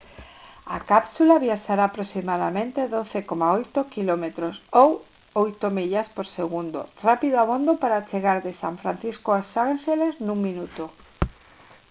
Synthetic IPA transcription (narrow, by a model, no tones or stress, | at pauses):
akapsulaβiaʃaɾaːpɾosimaðamẽnt̪eðoθekomaojt̪okilomet̪ɾosow | ojt̪omiʎaspoɾseɣund̪o̰rapiðoaβond̪opaɾat͡ʃeɣaɾðesa̰ɱfɾanθiskoasʃaŋʃeleznuŋminut̪o